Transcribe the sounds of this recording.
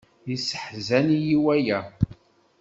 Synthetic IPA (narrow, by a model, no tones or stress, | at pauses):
jisə̥ħzænjiwæjæ